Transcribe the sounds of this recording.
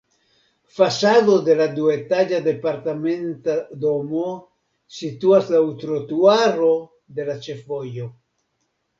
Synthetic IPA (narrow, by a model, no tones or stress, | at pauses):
fasaðod̪e̞lad̪uet̪ad͡ʒad̪e̞paɾt̪ament̪ad̪omo | sit̪uaslaut̪ɾot̪uaɾo | d̪e̞lat͡ʃefojo